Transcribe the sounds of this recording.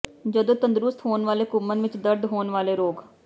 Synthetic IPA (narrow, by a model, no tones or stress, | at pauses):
d͡ʒəd̪õːt̪ənd̪ɾʊst̪ɦoːnʋaːleːkʊmənʋɪt͡ʃd̪əɾd̪ɦoːnʋaːleːɾoːɡ